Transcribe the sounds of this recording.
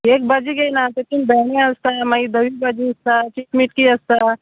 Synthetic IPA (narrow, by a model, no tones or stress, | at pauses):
eːk̚bɐd͡ʒiɡɐjnat̪ekinbɛɽeɐst̪amaid̪ɐʋibɐd͡ʒiɐst̪at͡ʃiʈmiʈkiɐst̪a